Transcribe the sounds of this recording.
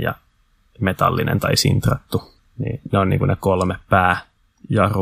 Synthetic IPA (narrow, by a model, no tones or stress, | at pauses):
jɑ̰ | met̪ɑlːinḛnt̪ɑisḭnt̪rɑt̪ːu | nḭːneonnḭːŋkunekolmeppæː | jɑr